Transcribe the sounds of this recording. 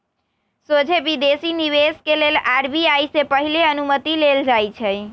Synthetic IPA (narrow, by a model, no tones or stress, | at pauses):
sod͡ʒʱebid̪esiniβeskelelaɾbiajsepəɦileənumət̪ileld͡ʒajt͡ʃʰɛj